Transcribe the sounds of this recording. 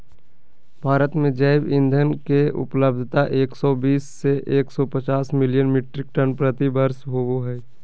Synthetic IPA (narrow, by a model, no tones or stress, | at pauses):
bʱaːɾət̪mẽd͡ʒaːɪbɪ̃nd̪ʱənkeʊ̰pləb̚d̪ʱt̪aʔeːksɔbiːsːeʔeːksɔpət͡ʃaːsmɪlɪjənmɪʈɾɪk̚ʈənpɾət̪ibəɾsɦooɦɛː